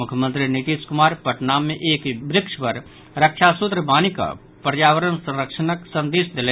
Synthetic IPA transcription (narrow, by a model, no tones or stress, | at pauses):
mʊkʰəmə̃nt̪ɾinit̪iːskʊmaːɾpəʈnaːmːẽʔeːkbɾɪkʃpəɾ | ɾəkʃʰasʊt̪ɾəbaːnika̰ | pəɾjaːʋəɾənsə̃ɾəkʃənəksə̃nd̪eːsd̪ɪle